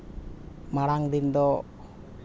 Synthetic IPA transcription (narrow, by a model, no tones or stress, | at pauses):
maɾaŋt̪int̪ɔ